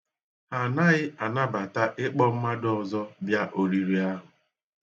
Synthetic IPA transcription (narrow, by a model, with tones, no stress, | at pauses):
a˨na˦ɣɪ˦a˨na˦ba˨ta˦ʔɪ˦k͡pɔ˦m̩˦ma˦dʊ˦ɔ˨zɔ˦bja˦ʔo˨ɾi˨ɾi˨a˦ɦʊ˨